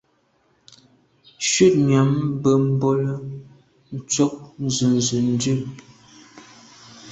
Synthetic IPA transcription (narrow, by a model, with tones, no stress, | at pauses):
ʃʉ˦˨t̚ɲja˨˦m˦bə˦m̩˦bo˦lə˦ | n̩˨t͡sɔ˦k̚n˨zʉ˨n˨zʉ˨n˦dʉ˦˨